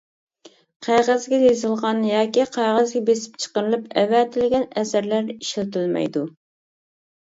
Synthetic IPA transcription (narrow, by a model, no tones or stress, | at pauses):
qʰɑjʁæzɡʲɛjezɨlˠʁɑnjɑːkʲiqʰæjʁəzɡʲɛbesɪ̥pt͡ʃʰə̥qəɾɨlˠɨpɛvɛt̪ʰɪlɪɡʲɛnɛsæɾlæɾiʃɪlt̪ylmɛ̰jd̪u